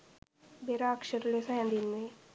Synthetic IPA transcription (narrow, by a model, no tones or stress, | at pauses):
beɾakʃəɾlesaãnd̪inmẽ